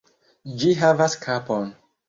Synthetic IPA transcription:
d͡ʒiɦavaskʰapɔ̃n

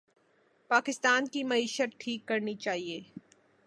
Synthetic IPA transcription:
paːkɪst̪aːnkimɐiːʃət̪̚ʈʰiːkːɐɾnit͡ʃaːɦieː

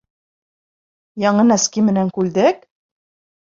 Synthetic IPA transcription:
jɑɴɤnæskimɘ̆næŋkʉld̪ɘk

